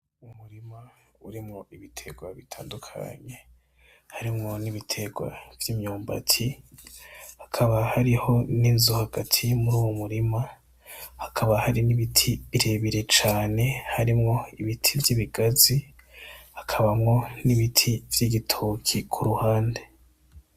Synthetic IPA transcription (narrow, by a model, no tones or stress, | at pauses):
umuɾima | uɾimŋo̞ʔiβitʰe̞ɡwaβitʰaːndukʰa̰ɲe̞ | haɾimŋo̞niβitʰe̞ɡwa̰vjiːmɲuːmba̰tʰi | hakʰaβahaɾiho̞niːnzuhaɡ̥atʰimuɾuːwumuɾima | hakʰaβahaɾiniβitʰiβiɾe̞βiɾe̞t͡ʃaːne̞haɾimŋo̞iβitʰivjiβiɡazi | hakʰaβamŋo̞niβitʰiv̥jiɡitʰokʰikʰuɾuhaːnde̞